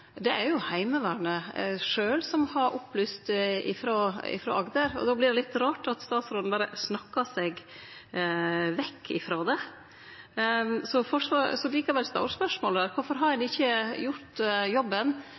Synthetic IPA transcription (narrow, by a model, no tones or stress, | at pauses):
d̪ɛʔæɾjʊhæɪməʋæːɾnəʂøːlsɔmhɑɾʔʊpːlyːst̪ɪ̰fɾoːɪ̰fɾo̰ːɑɡd̪əɾɔ̰d̪oːblɪɖɛlɪt̪ːɾɑːʈɑt̪st̪ɑːt̪sɾɔlnbɑːɾə̰snɑkːɑsɛɡ | ʋɛkʰːɪ̰fɾoːd̪ɛ | sɔfɔʂʋɑsɔliːkɑʋɛlst̪ɑ̰ɾspœʂmoːld̪æːɾkʰʊɾfɔɾɦɑɾɛnɪçːəjʊɾt̪jɔbːən